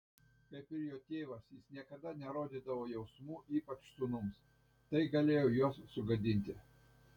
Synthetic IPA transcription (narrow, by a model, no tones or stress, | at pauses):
kɐɪpʲɪɾjoːt̪ʲeːʋɐsjɪsnʲiɛkɐd̪ɐnʲɛɾoːd̪ʲiːd̪ɐʋoːjɛʊsmuːʔiːpɐt͡ʃsʊnʊms | t̪ɐɪɡɐlʲeːjoːjuɔsːʊɡɐd̪ʲɪnʲt̪ʲɪ